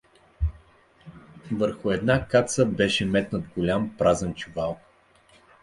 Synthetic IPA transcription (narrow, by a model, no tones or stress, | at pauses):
vəɾxʊɛd̪nakat̪səbɛʃɛmɛt̪nət̪ɡolʲampɾazɛnt͡ʃuvalˠ